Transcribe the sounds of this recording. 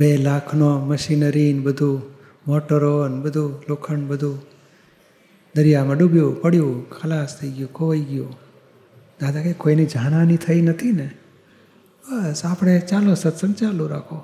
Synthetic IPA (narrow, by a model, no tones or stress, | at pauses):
belakʰnoməʃinəɾinbəd̪ʱũ | moʈəɾonbəd̪ʱulokʰəɳbəd̪ʱũ | d̪əɾjamãɖubjũpəɽjũkʰəlast̪ʰəiɡjũkoʋaiɡju | d̪ad̪ʱakekoinid͡ʒanãnit̪ʰəinət̪ʰine | bəsapɽ̃et͡ʃalosət̪sənt͡ʃaluɾakʰo